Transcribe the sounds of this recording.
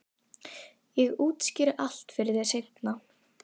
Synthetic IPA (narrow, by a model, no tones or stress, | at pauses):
jɛɣuːt̪scɪɾʔal̥t̪fɪɾɪðɛsejt̪na